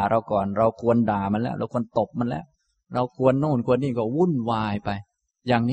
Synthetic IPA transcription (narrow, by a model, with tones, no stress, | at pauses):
ɾa˧wkɔː˨˩nɾa˧wkʰu˧əndaː˨˩ma˧nlɛː˦˥˩wɾa̰˧wkʰu˧ənt̪o˨˩p̚ma˧nlɛ̰ː˦˥w | ɾa˧wkʰu˧ənːoː˥˩nkʰu˧ənːiː˥˩kɔː˥˩wu˥˩˨nwaː˧jpa˧j | jaː˨˩ŋni˦